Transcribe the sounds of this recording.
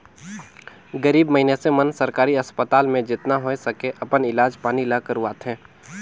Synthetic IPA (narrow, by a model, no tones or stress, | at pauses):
ɡəɾiːbməɦinesemənsɐɾkaːɾiɐspət̪aːlmẽd͡ʒɪt̪naɦoesɐkeʔɐpənɪlaːd͡ʒpaːnilakəɾuaːt̪ɦɛ̃ː